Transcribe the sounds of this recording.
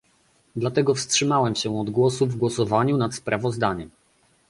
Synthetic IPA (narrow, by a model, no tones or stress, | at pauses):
d̪lat̪ɛɡɔfstʂɘmawɛmɕɛɔd̪ɡwɔsuvɡwɔsɔvaɲunat̪spɾʔavɔzd̪aɲɛm